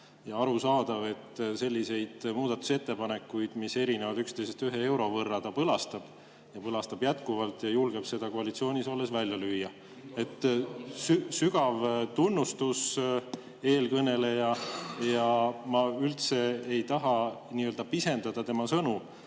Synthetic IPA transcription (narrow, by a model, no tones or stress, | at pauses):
jɑɑɾusɑːd̪̥ɑve̞t̪ːse̞lʲːise̞jd̪̥muːd̪ɑt̪ːˑu̥se̞t̪ːe̞pɑne̞kːujd̪̥mise̞ɾine̞vɑd̪ykst̪e̞jsest̪yɦee̞wɾo̞vɤrːɑt̪ɑpɤlɑst̪ɑb̥ | jɑpɤlɑst̪ɑb̥jæt̪kuvɑlt̪ˑjɑjulɡ̥e̞b̥se̞d̪̥ɑkoɑlit̪sio̞ːnʲiso̞lːe̞svælʲjɑlyjːɑ | e̞t̪ːˑsysyɡ̥ɑvt̪unːust̪us | e̞ːlkɤne̞le̞jɑjɑmɑylt̪se̞ejt̪ɑɦɑniːøld̪̥ɑpise̞nd̪̥ɑd̪̥ɑt̪e̞mɑsɤnu